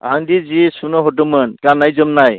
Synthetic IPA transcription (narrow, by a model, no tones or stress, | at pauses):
aŋdizisunɔɦɔʈɯmɯnkanajzɯmnaj